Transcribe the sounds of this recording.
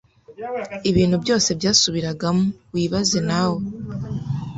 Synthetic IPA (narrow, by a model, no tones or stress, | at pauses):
iβiːn̥hubɟo̞ːse̞bjaːsuβiɾaɡamuwiːβazenawo